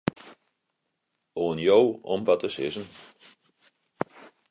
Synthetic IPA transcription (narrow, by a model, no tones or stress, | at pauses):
oːənjowɔmʋɔtʰəsɪ̰zən